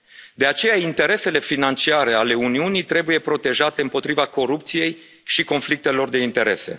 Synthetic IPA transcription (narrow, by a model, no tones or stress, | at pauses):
d̪e̞at͡ʃe̞jaint̪e̞ɾe̞se̞le̞finant͡ʃiaɾe̞ale̞uniunijt̪ɾe̞buje̞pɾo̞t̪e̞ʒat̪e̞ɨmpo̞t̪ɾivako̞ɾup̚t̪sije̞j | ʃiko̞nflik̚t̪e̞lo̞rd̪e̞int̪e̞ɾe̞se̞̰